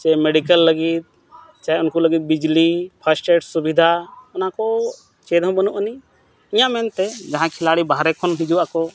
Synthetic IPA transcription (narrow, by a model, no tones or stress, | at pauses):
t͡ʃaɛmɛɖikəlːəɡit̪̚ | t͡ʃaɛʊnkuləɡit̪̚bid͡ʒlipʰasʈɛɖsubid̪ʱaɔnakɔ | t͡ʃɛd̪ʱɔ̃bənuʔəni | ijãʔmɛnt̪ɛd͡ʒaɦãkʰɛlaɽibaɦɾɛkʰɔnɦid͡ʒuwakɔ